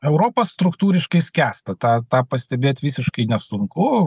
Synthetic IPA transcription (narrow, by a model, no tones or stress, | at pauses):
ɛʊɾoːpɐsst̪ɾʊkt̪uːɾʲɪʃkɐɪsʲkʲæːst̪ɐt̪ɑːt̪ɑːpɐsʲt̪ʲɛbʲeːt̪ʲʋʲiːsʲɪʃkɐɪnʲɛsʊŋkʊ